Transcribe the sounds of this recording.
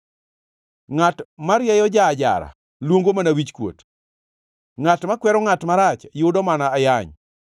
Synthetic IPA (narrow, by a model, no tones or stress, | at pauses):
ŋatmaɾjɛjɔd͡ʒaːd͡ʒa̰ɾa̰ | lwoŋɡomanawit͡ʃkwo̰t | ŋatmakwɛɾɔŋatmaɾat͡ʃjʊdɔmanaːjaɲ